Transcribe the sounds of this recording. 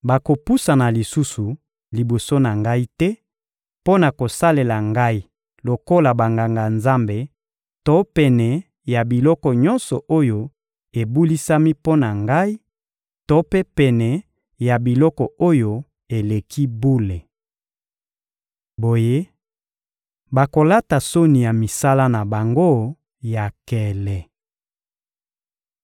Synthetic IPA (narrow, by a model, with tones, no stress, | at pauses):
ba˨ko˨pu˦sa˨na˨li˨su˦su˨ | li˨bo˨so˦na˨ŋɡa˦i˦tɛ˦ | po˦na˨ko˨sa˦le˨la˨ŋɡa˦i˦ | lo˨ko˦la˨ba˨ŋɡa˨ŋɡa˨nza˦mbe˨ | to˦pɛ˨nɛ˨ | ja˨bi˨lɔ˦kɔ˨ɲɔ˦nsɔ˨ʔo˦jo˦ | e˨bu˦li˦sa˦mi˦po˦na˨ŋɡa˦i˦ | to˦pe˦pɛ˨nɛ˨ | ja˨bi˨lɔ˦kɔ˨o˦jo˨ | e˨le˨kʰi˦bu˦le˨ | bo˨je˦ | ba˨ko˨la˦ta˨so˦ni˨ja˨mi˨sa˦la˦na˨ba˨ŋɡo˦ | ja˨kɛ˨lɛ˨